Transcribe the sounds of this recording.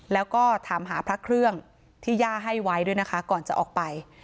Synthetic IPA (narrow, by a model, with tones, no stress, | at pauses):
lɛː˦˥wkɔː˥˩t̪ʰaː˩˦mɦaː˩˦pʰɾa˦˥kʰɾɯ˥˩əŋ | t̪ʰiː˥˩jaː˥˩ɦa˥˩jwa˦˥jdu˥˩jna˦˥kʰa˦˥kɔː˨˩nt͡ɕa˨ʔɔː˨˩k̚pa˧j